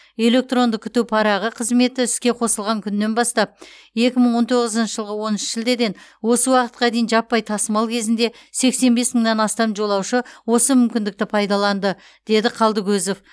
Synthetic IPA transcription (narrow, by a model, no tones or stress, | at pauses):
e̞le̞k̚t̪ro̞nd̪ɪkʲʰʏ̥t̪upʰɑɾɑʁəqʰəzme̞t̪ɪʏskʲe̞qʰo̞səlˠʁɑŋkʲʰʏnːe̞nbɑst̪ɑp̚ | je̞kʲɪməɴwo̞nt̪ʰo̞ʁəzənʃəʒəlˠʁəwo̞nɪnʃʒɪld̪e̞d̪e̞nwo̞səwɑqət̪̚qɑd̪e̞jɪnʒɑpːɑjt̪ʰɑsəmɑlˠkʲʰe̞zɪnd̪e̞ | se̞kse̞nbe̞sməɴnɑnɑst̪ɑnʒo̞lˠɑwʃəwo̞səmʏmkʲɪnd̪ɪk̚t̪ɪpʰɑjd̪ɑlˠɑnd̪ə | d̪̥e̞d̪ɪqʰɑlˠd̪əɡʲɵzo̞f